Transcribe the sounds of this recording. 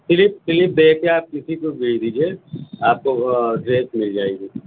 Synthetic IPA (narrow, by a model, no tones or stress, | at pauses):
fɪlɪpfɪlɪp̚bɛːkeaːp̚kɪsikoɡʱeɽd̪iːd͡ʒieaːp̚koɖɾeːtmɪld͡ʒaːeɡiː